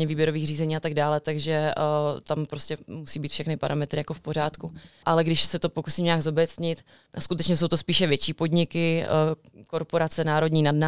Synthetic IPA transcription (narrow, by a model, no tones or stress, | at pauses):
ɲɛviːbjɛɾoviːɣr̝iːzɛɲiːat̪aɡdaːlɛt̪aɡʒɛt̪ampɾo̞scʲɛmusiːbiːt̪fʃɛxnɪpaɾʔamɛt̪ɾɪjakofpo̞ɾ̝aːt̪kuʔalɛɡdɪʃsɛt̪o̞po̞kusimɲaːɡzo̞bɛt͡sɲɪt̪ | ʔaskut̪ɛt͡ʃɲɛso̞wt̪ospiːʃɛvjɛt͡ʃiːpo̞dɲɪkɪ | ko̞ɾpo̞ɾat͡sɛnaːɾo̞dɲiːnadna